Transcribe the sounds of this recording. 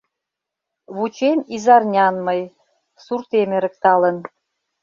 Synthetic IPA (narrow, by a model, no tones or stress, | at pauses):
βut͡ɕemizɑrnʲɑnmɤj | surt̪emɘ̆ɾə̆k̚t̪ɑlə̆n